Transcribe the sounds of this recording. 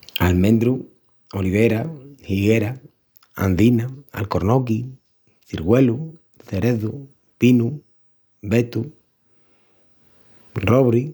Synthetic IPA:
almẽnd̪ɾu | oliβ̞eɾahiɣeɾa | a̰nd̪inaa̰lkoɾnok̬i | θiɾɣwelu | θeɾeðu | pinu | bet̪u | roβɾi

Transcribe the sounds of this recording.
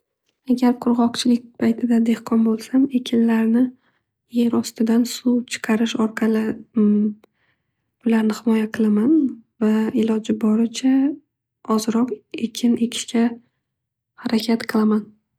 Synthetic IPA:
aɡʲaɾqʰʊɾʁɒqt͡ʃʰɪlɪk̚ʲpʰajt̪ʰɪd̪ad̪e̞hqʰɒnbolˠsame̞kʲʰɪnlaɾnɪ | je̞ɾɒst̪ɪd̪ansuwt͡ʃʰɨ̥qʰɑɾɪʃɒɾqʰɑlɪ | ʊlaɾnɪhɪmɒjaqʰɨlˠamanvaɪlɒd͡ʒɪbɒɾɪt͡ʃʰa | ɒzɾɒqe̞kʲʰɪne̞kʲʰɪ̥ʃkʲa | haɾakʲʰat̪qʰɨlˠaman

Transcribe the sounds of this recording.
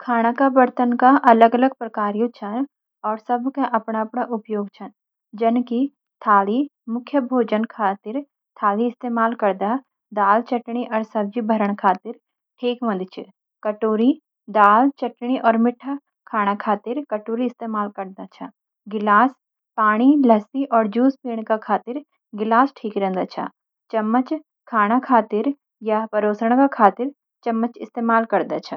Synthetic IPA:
kʰaːɽ̃akabɐɾt̪ənkaʔɐləɡɐləɡ̚pɾəkaːɾijõt͡ʃʰɐ | ɔːɾsɐbʱkaʔɐpɽ̃aɐpɽ̃aʔʊpjoːɡt͡ʃʰɐn | d͡ʒɐnki | t̪ʰaːlimʊkʰjəbʱoːd͡ʒənkʰaːt̪ɪɾ | t̪ʰaːliɪst̪eːmaːlkɐɾd̪a | d̪aːlt͡ʃɐʈɽ̃iʔɔːɾsɐb̚d͡ʒibʱəɾəɽ̃kʰaːt̪ɪɾ | ʈʰeːkmɐ̃d̪t͡ʃʰɪ | kɐʈoːɾi | d̪aːlt͡ʃɐʈɽ̃iʔɔːɾmɪʈʰːa | kʰaːɽ̃akʰaːt̪ɪɾkɐʈoːɾiɪst̪eːmaːlkɐɾd̪at͡ʃʰa | ɡɪlaːs | paːɽ̃ilɐsiʔɔːɾd͡ʒuːspiːɽ̃kakʰaːt̪ɪɾ | ɡɪlaːsʈʰiːkɾɛ̃nd̪aːt͡ʃʰa̰ | t͡ʃɐmːət͡ʃ | kʰaːɽ̃akʰaːt̪ɪɾ | japɐɾoːsəɽ̃kakʰaːt̪ɪɾ | t͡ʃɐmːət͡ʃɪst̪eːmaːlkɐɾd̪at͡ʃʰa

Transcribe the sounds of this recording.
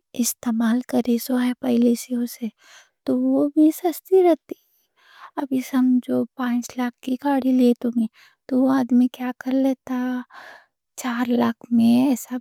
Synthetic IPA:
ɪst̪eːmaːlkɐɾesoɦɛpɐɦɪlesiose | t̪oʋobʱisɐst̪iɾɛɦt̪iɛ | ɐbʱisɐmd͡ʒoːpãːt͡ʃlaːkʰkikaːɽiliet̪ʊ̃me | t̪oʋoaːd̪mikjakɐɾleːt̪aɦ | t͡ʃaːɾlaːkʰmẽɛːsa

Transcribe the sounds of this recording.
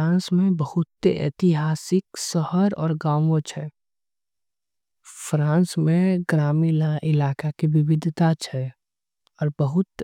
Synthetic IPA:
ãːnsmẽbəhʊt̪ːeɛ̰ːt̪ɪɦaːsɪksəhəɾɔ̰ːɾɡãːõt͡ʃʰɛ | fɾãːnsmẽɡɾaːmilaʔɪlaːkakiʋɪʋɪd̪ʱt̪at͡ʃʰɛ | ɔːɾbəɦʊt̪

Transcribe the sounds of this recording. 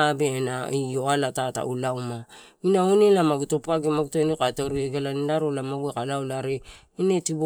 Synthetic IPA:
benaioalatata̰ulawma | inaonelamaɡutopuaɡemaɡutoenokataɾieɡalanidaɾolamaɡuekalawlaɾe | inetibo

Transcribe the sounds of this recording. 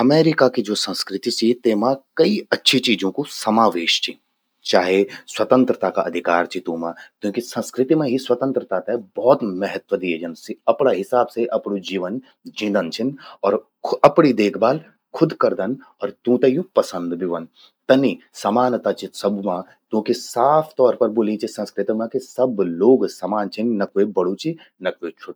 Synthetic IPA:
ɐmeːɾɪkakid͡ʒoːsə̃nskɾɪt̪isit̪eːmãkɐiɐtːʃʰit͡ʃiːd͡ʒõkosɐmaːʋeːʃt͡ʃʰi | t͡ʃaːɦeswɐt̪ə̃nt̪ɾət̪akaɐd̪ʱɪkaːɾt͡ʃʰit̪ũːmãkjõːkisɐ̃nskɾɪt̪imẽɦiswɐt̪ə̃nt̪ɾət̪aːt̪aɛbɔːt̪mɛɦət̪ʋəd̪ieːd͡ʒənsiɐpɽ̃aɦɪsaːbseʔɐpɽud͡ʒiːʋən | d͡ʒĩːd̪ənt͡ʃʰinɔːɾ | ɐpɽ̃id̪eːkʰbaːl | kʰʊd̪kɐɾd̪ən | ɔːɾt̪ũt̪ɐjũpɐsə̃nd̪biʋɐn | t̪ɐni | sɐmaːnt̪at͡ʃʰisɐbmã | k̪jõːkisaːpʰt̪ɔːɾpɐɾboːlit͡ʃʰisɐ̃nskɾɪt̪imãkisɐbloːɡsɐmaːnt͡ʃʰinːɐkoebɐɽut͡ʃʰi | nɐkoet͡ʃʰoʈ

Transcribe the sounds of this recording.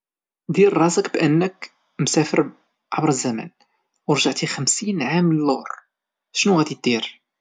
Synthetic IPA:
d̪iɾrˤɑzəqbʔənːək | msæfəɾ | ʕabɾəzːæmæ̰n | wəɾˤʒaʕt̪ixəmsinʕamːnəlːʊɾˤ | ʃnuɣæd̪it̪̚d̪iɾ

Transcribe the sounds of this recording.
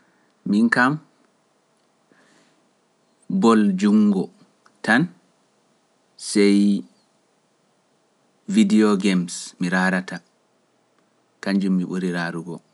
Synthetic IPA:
miŋkam | bɔld͡ʒuŋɡɔ | tan | sɛj | vidiɔɡɛmsmiɾaɾata | kaɲd͡ʒumːiɓuɾiɾaɾuɡɔ

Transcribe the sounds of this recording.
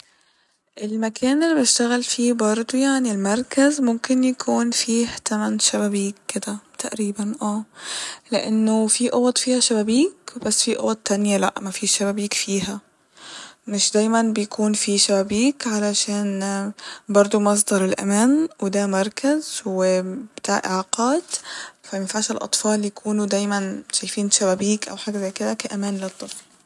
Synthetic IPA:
ʔɪlmakʰæːnɪlːibʃt̪aɣalfiːbɑɾˤd̪ˤojaʕnilmɑɾˤkazmʊmkɪnjakʰuːnfiːht̪amænʃabæbiːkːɪd̪æt̪ʰaʔɾiːbanʔæːlɪʔɪnːofiʔoɣɑt̪ˤfiːhæʃabæbiːkb̥asːfiʔo̰ɣɑt̪ːanjalaʔmæfiːʃaβæbiːkfiːhæ | mɪʃd̪æːjmænbɪjkuːnfiʃæbæbiːkʕalæʃæːn | bɑɾˤd̪ˤomɑs̬ˤd̪ɑɾˤɪlʔæ̰mæːnwɪd̪æmɑɾˤkæzwɪbt̪a̰ːʕʔɪ̰ʕaːqɑːd̪fæmɪnfaʕʃelʔɑ̰t̪ˤfɑːljakʰuːnud̪æːjmænʃæjfiːnʃæbæbiːkʔæ̰wħaːɡæzæjkɪd̪ækæʔæmæːnlɨt̪ˤːɨfl

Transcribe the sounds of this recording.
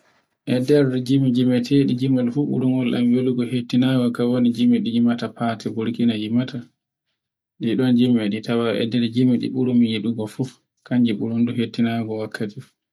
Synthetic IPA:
ʔɛdɛɾdd͡ʒimid͡ʒimɛtʰeɗid͡ʒimɔlfuɓṵɾuŋɔlɗa̰mjoluɡɔhetːinaɡɔkawonid͡ʒimiɗiimatapatɛbuɾkinad͡ʒimata | ɗdiɗɔnd͡ʒimɛɗitawa̰ʔɛ̰dːɛɾd͡ʒimiɗḭɓuɾumijiɗuɡɔfu | kaɲd͡ʒiɓuɾunduhetːinaɡɔwakʰːati

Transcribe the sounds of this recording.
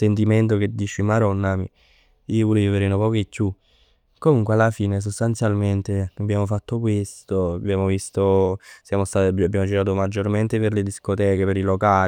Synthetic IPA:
sent̪̬iment̪̬ok̟ed̪ːiːt͡ʃimaɾɔnːami | iːovɔleviveɾenopɔːkoekːju | komuŋkwealːafiːnes̬ost̪ant̪sjalment̪eabːjaːmofat̪ːokwest̪oabjaːmovist̪osjaːmost̪aːt̪ababjaːmod͡ʒiɾaːt̪omad͡ʒːorment̪eperled̪iskot̪ɛːkepeɾilokaː

